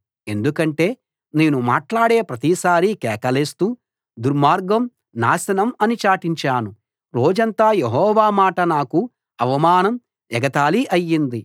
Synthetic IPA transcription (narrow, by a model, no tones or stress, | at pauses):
e̞nd̪ukɐɳʈe̞ː | ne̞ːnumaːʈlaːɽe̞ːpɾɐt̪isaːɾikɛːkɐleːst̪uː | d̪uɾmaːɾɡɐm | naːsɐnɐmɐnit͡ʃaːʈiɲt͡ʃaːnu | ɾo̞ːd͡ʒɐnt̪aːjeɦɔːʋaːmaːʈɐnaːku | ɐʋɐmaːnɐm | ɛɡɐt̪aːliʔɐjːind̪i